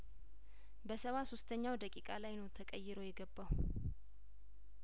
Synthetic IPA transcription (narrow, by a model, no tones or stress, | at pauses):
bəsəwasost̪ʰəɲːawd̪əkʼikʼalajnəwt̪ʰəkʼəjːɪɾojɛɡəbːaw